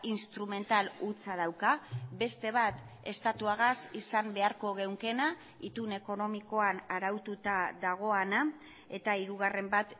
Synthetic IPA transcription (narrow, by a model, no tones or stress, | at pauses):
inst̪ɾume̞nt̪alut͡sað̞awkabe̞st̪e̞β̞at̪ | e̞st̪at̪uaɣasisambe̞aɾko̞ɣewŋke̞na | it̪une̞ko̞no̞miko̞anaɾawt̪ut̪aðaɣ̞o̞ana | e̞t̪aiɾuɣ̞are̞mbat̪